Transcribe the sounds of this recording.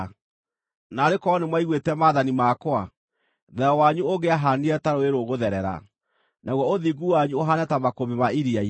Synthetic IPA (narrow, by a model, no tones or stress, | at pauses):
naɾekɔnemwaiɣwetɛmaːðanimakwa | ðɛɔwaɲuoɣeaɦaniɛtaɾoeɾoɣoðɛɾɛɾa̰ | nʔaɣwɔoðiɡuwaɲuoɦanɛtamakoβemaiɾia